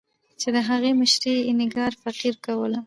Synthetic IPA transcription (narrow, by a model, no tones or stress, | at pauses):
t͡ʃed̪əɦaɣemɪʃɾenɪɡɑɾfaqiɾkawəla